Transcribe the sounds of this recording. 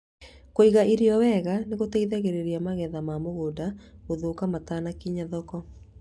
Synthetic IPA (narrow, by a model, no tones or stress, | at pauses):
koiɣaiɾiɔwɛɣaneɣotɛiðaɣeɾeɾiamaɣɛðamamoɣodaɣoðoːkamataːnakiɲaðɔkɔ